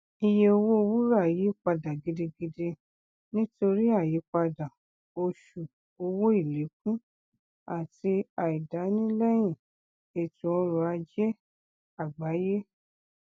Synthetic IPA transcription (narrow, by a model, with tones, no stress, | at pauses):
i˧je˧o˧wo˦o˧wu˦ɾa˦˨ji˨˦k͡pa˧da˨ɡi˧de˧ɡi˧de˧ | nĩ˦to˧ɾi˦a˦˨ji˨˦k͡pa˧da˨ | o˧ʃu˨ | o˧wo˦i˦˨le˨˦k̚ũ˦ | a˨ti˧a˨i˨da˨˦nĩ˦lɛ˦j̃ĩ˦˨ | e˨tũ˨˦ɔ˧ɾɔ˧a˧d͡ʒɛ˦ | a˦˨ɡ͡ba˨˦je˦